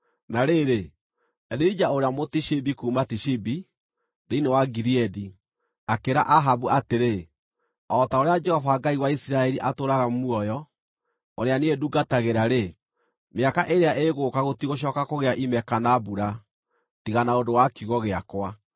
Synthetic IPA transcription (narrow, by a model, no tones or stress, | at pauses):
naɾeɾe | ɛðeid͡ʒaoɾeamotiʃibikuːmatiʃibi | ðeinewaɡiɾiɛdi | akeɾa̰ʔaɦabuʔateɾe | ɔtaoɾead͡ʒɛhɔfaɡaiwaisiɾaɛɾiʔatoɾaɣamuɔjɔ | oɾeaneeduɡataɣeɾaɾe | meakaʔeɾeaʔeɣokaɣotiɣoɕ̬ɔːkakoɣeaʔimɛkanabuɾa | tiɣanaodowakiɣɔɣeakwa